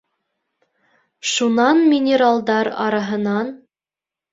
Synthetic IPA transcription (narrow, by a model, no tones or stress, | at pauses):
ʃunɑnmʲɪnʲɪɾalˠd̪ɑɾɑ̰ɾɑɦɤ̆nɑn